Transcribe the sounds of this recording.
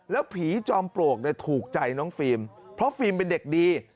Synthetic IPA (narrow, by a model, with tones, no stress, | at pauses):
lɛː˦˥wpʰiː˩˦t͡ɕɔː˧mpɾu˨˩ək̚ni˧˩t̪ʰuː˨˩k̚t͡ɕa˧jnɔː˦˥ŋfiː˧mpʰɾɔ˦˥fiː˧mpe˧nde˨˩k̚diː˧